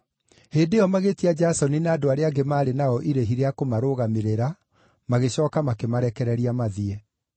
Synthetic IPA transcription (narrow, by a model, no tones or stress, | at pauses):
heːndeɔmaɣetiad͡ʒasɔninaːdoaɾeaɡemaːɾenaɔʔiɾeɦiɾeakomaɾoɣameɾeɾa | maɣeɕɔːkamakemaɾɛkɛɾɛɾiamaðiɛ